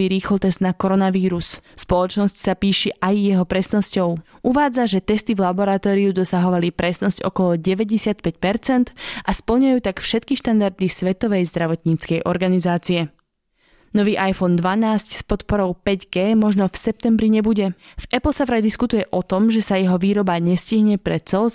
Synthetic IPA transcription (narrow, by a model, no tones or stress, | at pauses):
iːɾiːxlɔt̪ɛzd̪nakɔɾɔnaʋiːɾusspɔlɔt͡ʃnɔscsapiːʃɛʔajːɛɦɔpɾɛsnɔscɔʊʔuʋaːd͡zaʒɛt̪ɛst̪ivlabɔɾat̪ɔːɾiud̪ɔsaɦɔʋalipɾɛsnɔscɔ̰kɔlɔɟɛʋɛɟɛsɪat̪̚pɛcpɛɾt͡sɛnd̪ʔaspl̩ɲajuːt̪akfʃɛt̪̚kiʃt̪and̪aɾd̪isʋɛt̪ɔʋɛjzd̪ɾaʋɔt̪ɲiːt͡skɛjʔɔɾɡanizaːt͡siɛ | nɔʋiːʔajfɔnd̪ʋanaːscspɔt̪pɔɾɔʊpɛɟɡɛːmɔʒnɔfsɛp̚t̪ɛmbɾiɲɛbuɟɛvɛpl̩savɾajd̪iskut̪ujɛʔɔt̪ɔmʒɛsajɛɦɔʋiːɾɔbaɲɛsciɦɲɛpɾɛt͡sɛl